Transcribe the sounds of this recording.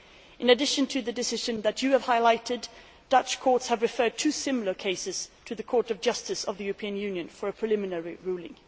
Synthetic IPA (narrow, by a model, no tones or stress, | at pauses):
ʔɨ̃nɨdɪʃɨ̃ntʰɨðɨdɨsɪʒɨ̃nðɨt͡ʃɨːv̥haɪlaɪɾɨd | d̥ʌt͡ʃkʰɔɹtshɨvɹɨfɜ˞d̚tʰʉsɪ̃ml̩ˠə˞kʰeɪsɨz̥tʰɨðɨkʰɔɹɾʌvd͡ʒʌstɨsʌvðɨjʉɹəpʰĩɨ̃njʉ̃njɨ̃nfə˞ɨpʰɹ̥ɨlɪmɨnɛɹiɹʉlˠɪ̰̃ŋ